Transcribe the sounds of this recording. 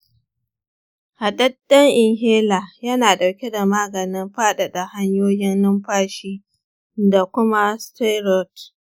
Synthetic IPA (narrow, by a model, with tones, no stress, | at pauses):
ha˨dɐ˦dːɐ˦ŋʔɪ˨ŋɦeː˦laː˨jɐ˦naː˨ɗa˨wkʲe˦da˨maː˦ɡɐ˨nɪ˦mɸaː˦ɗa˨da˨ha˦ɲjoː˦jɪ˦nːɪ˦mɸaː˦ʃiː˦ | da˨kʷʊ˦ma˦stɛ˦ɾɔ˦t